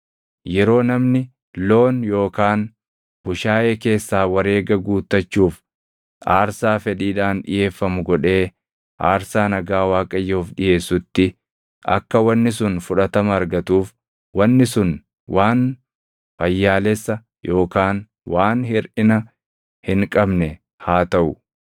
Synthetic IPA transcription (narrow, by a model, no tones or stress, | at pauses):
jɛɾo̞ːnɐmnɪ | lo̞ːnjo̞ːkaːn | b̥ʊʃaːʔeːke̞ːsːaːwɐɾe̞ːɡɐɡuːt̪ːɐt͡ʃːuːf | ʔaːɾsaːfɛᶑiːᶑaːnᶑɪ̰je̞ːfːɐmʊɡɔᶑe̞ː | ʔaːɾsaːnɐɡaːwaːkʼɐjːoːfᶑɪje̞ːsːʊt̪ːɪ | ʔɐ̰kːɐwɐnːɪsʊnfʊᶑɐt̪ɐmɐɐɾɡɐt̪uːf | wɐnːɪsʊn | waːn | fɐjːaːlɛsːɐ | jo̞ːkaːn | waːnhɪɾʔɪnɐ | hɪŋkʼɐbnɛ | haːt̪ɐʔʊ